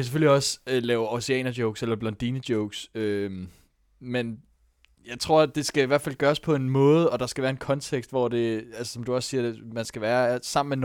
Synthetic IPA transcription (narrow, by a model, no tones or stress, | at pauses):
kʰæs̬eføl̰iɒ̽slɛːʊɒsiɛ̰ːnɐd̥joʊɡ̥selɐb̥lɒ̽nd̥iːnəd̥joʊɡ̥søm | men | jɑ̈ɪt͡sʰʁo̝ɐ̰d̥e̝sɡ̥æiʋæɐ̰̥fæl̰ɡ̥ɶːɐspʰɒ̽e̝nmɔ̽ːð̩ˠɒ̽d̥ɑ̈sɡ̥æʋæːɐe̝nkʰɒ̽nt͡sʰeɡ̥sd̥ʋɒd̥e̝ælsə̥sɒ̽md̥uɒ̽ssiːɐmænsɡ̥æʋæːɐsɑ̈m̰n̩men